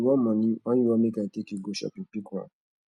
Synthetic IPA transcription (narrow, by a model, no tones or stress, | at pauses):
wamãnĩãjuwamekatekiɡoʃa̰pipikwa̰